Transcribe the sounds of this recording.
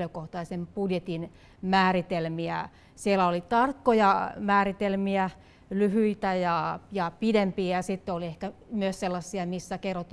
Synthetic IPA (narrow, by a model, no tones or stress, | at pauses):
løkoht̪ɑisempudjet̪in | mæːrit̪elmiæ̰ | sielæolit̪ɑrkːojɑmæːrit̪elmiæ | lyhyit̪æjɑjɑpidempiːjɑsit̪ːeoliehkæmyøsselːɑsːiɑmisːækerːot̪ːˑ